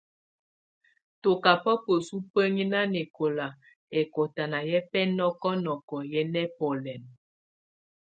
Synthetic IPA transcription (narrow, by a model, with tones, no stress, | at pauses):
to˨ka˨pɔ˦pə˨su˦pə˦ŋi˦na˦ne˨ko˨la˨ | ɛ˨ko˨ta˨na˨jɛ˦pɛ˦nɔ˦kɔ˦nɔ˨kɔ˨jɛ˦nɛ˦pɔ˨lɛ˨n